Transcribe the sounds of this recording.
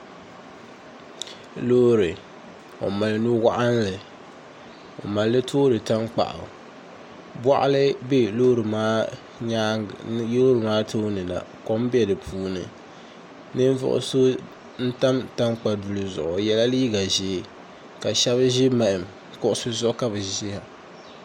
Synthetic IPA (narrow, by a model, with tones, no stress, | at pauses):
lo˦ɾɨ˨ | o̰˨ma˨lɨ˨nu˦wa˦ʔa˦nlɨ˨ | o̰˨ma˨lːɨ˦tʰoː˦ɾɨ˨ta˦mk͡pa̰˨ʔʊ̰˨ | bwa̰˦ʔa̰˦lɨ˦be˦lo˦ɾɨ˨maː˦ | ɲa˦jo˦ɾɨ˨maː˦tʰo˦nɨ˨la̰˨ko˦m˦bi˦ɛ˨dɨ˨pʰuː˦nɨ̰˨ | nɨ˦n˦vʊ̰˦ʔʊ̰˨so˦ | n̩˦ta˦mta˦mk͡pa˨du˨lɨ˨zʊ̰˨ʔʊ˨jɛ˦la˦liː˦ɡa˨ʒɪː˦ | ka˨ʃɛ˦βɨ˦ʒɪ˦ma˨ʔɪ˨m | kʊ˦ʔʊ˦sʊ˦zɔ˦ka˦bɨ˨sɪ˦ha˨